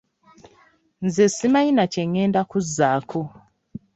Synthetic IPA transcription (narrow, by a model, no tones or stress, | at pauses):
nzesimajinaceŋːeːndakuzːaːkʰo